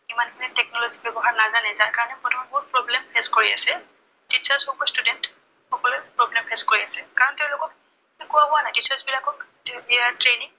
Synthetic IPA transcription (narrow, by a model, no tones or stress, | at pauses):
kimankinɛtɛk̚nɔlozibɛbɔɦaɹnazanɛzaɹkaɹɔnɛmɔtʰɔmabɦʊt̚pɹɔblɛmpʰeskoɹiasɛ | tisasɔkɔstudɛnt | xɔkɔlɛpɹoblɛmpʰeskoɹiasɛkaɹɔnteʊ̃lʊkɔk̚ | ekʊabɔanajtisasbilakɔk | biaɹtɹeniŋ